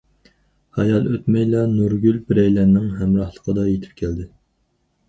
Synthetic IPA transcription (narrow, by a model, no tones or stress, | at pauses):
hɑjɑlˠøt̪mɛjlɑnuɾɡʲylbɪɾɛjlɛnːɪŋɦɛmɾɑhlˠəqʰəd̪ɑjet̪ʰɪ̥p̚kʲʰæld̪ɪ